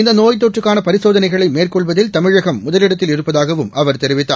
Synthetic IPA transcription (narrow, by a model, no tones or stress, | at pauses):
ɪnd̪ɐnoːjt̪̬ːɔʈrɯkːaːnɐpɐɾɪsoːðɐnɐɪɣɐɭɐɪmeːrkɔɭʋɐðɪlt̪ɐmɪɻɐɣɐmːʊðɐlɪɽɐt̪ːɪlɪɾɯpːɐðaːɣɐʋɯmɐʋɐɾt̪ɛɾɪʋɪt̪ːa̰ː